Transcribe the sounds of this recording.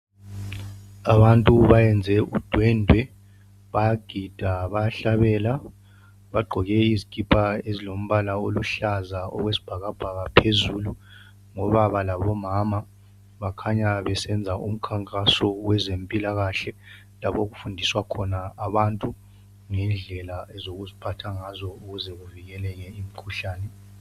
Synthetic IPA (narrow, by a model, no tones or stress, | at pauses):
aβantʼuβajɛnd͡zʱɛʔud̥ʱwɛndʱwɛ | βajaɡ̥ʱid̥ʱaβajaɬaβɛːla | βaɡ͡ǃʱɔɣɛiziɡ̥ʱʼipʰʼaezilom̩βalaoluɬazaɔ̰ɣwesi̥b̥ʱaɣab̥ʱaɣapʰezuːlu | ŋɔβaβalaβɔmama | βakʰaɲaβɛsɛnd͡zʱaṵm̩kʰaŋkʼasɔwɛzempʼilaɣaɬɛ | lapoɣufundʱiswakʰɔnaːβantʼu | ŋɛnd͡ɮʱɛlaɛzoɣuzipʰatʰaŋazɔuɣuzɛɣuviɣɛlɛɣɛimikʰuɬaːnɛ